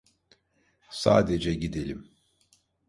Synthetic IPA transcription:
sa̰ːd̪ed͡ʒɛɟid̪elʲim

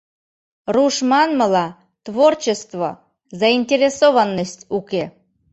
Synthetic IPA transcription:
ruʃmɑnməlɑ | t̪vort͡ɕest̪vo̰ | zɑinʲtʲeɾʲesovənːəsʲtʲukʲe

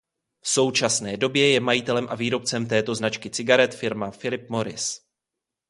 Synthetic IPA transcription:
fso̞wt͡ʃasnɛːdo̞bjɛjɛmajɪt̪ɛlɛmʔaviːɾo̞p̚t͡sɛmt̪ɛːt̪o̞znat͡ʃkɪt͡sɪɡaɾɛt̪fɪɾmafɪlɪp̚mo̞ɾɪ̰s

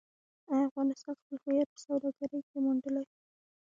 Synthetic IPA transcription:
ajafɣɑnɪst̪ɑnxpəlhujat̪̚pə̥sawd̪ɑɡaɾəjkemuɳɖəlaj

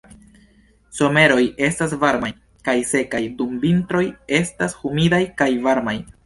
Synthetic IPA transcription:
so̞me̞ɾo̞je̞stas̬vaɾmaj | kajse̞kajdumvintɾo̞je̞stashumidajkajvaɾmaj

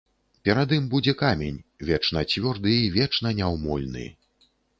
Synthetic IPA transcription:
pʲɛɾad̪ɨmbud͡zʲɛkamʲenʲvʲɛt͡ʂnɐt͡sʲvʲɔrd̪ɨivʲɛt͡ʂn̪ɐnʲawmɔ̰lʲnɨ̰

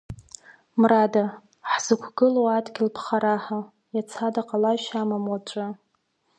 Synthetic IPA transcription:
mrada | ħz̥ɨkʷʰɡɨloadɡʲɪlpʰχaɾaħa | jat͡sʰadaqʼalaʃamamwat͡ʃʷʼɨ

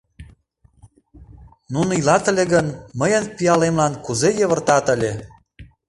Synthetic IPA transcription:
nunilɑt̪ə̆lʲeɣənməjənpiɑlemlɑnkuzejəβə̆rt̪ɑt̪əlʲe

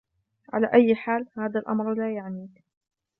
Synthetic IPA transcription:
ʕa̰la̰ːʔajːħaːlhaːðalʔɑ̰mɾˤlaːjaʕniːk

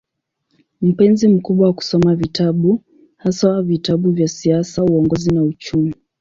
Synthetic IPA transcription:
m̩pɛnzim̩kuɓwawaku̥sɔmavitʰaɓu | hasawavitaɓuvjasiasauɔŋɡɔzinaut͡ʃumi

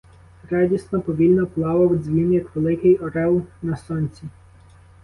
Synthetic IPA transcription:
ɾɑdʲisnɔpɔʋʲilʲnɔplˠɑʋɐwzʲʋʲinjɐkʋelˠɪkɪjɔɾɛwnɐsɔnʲt͡sʲi

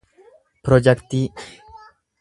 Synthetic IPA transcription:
pɾɔd͡ʒɛkt̪i

